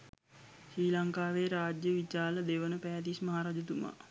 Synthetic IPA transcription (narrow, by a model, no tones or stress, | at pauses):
ʃɾiːlaŋkaːʋeɾaːd͡ʒjəʋit͡ʃaːləd̪eʋənəpɛːt̪ismaɦaːɾaːd͡ʒət̪uma̰